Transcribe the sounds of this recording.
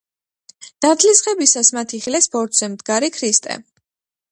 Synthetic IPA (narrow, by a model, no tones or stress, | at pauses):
n̥aɾt̪ʰlisχɛbisasmat̪ʰiχilɛsbɔɾt̪ʰz̥ɛmd̪ɡaɾikʰɾist̪ʼɛ̰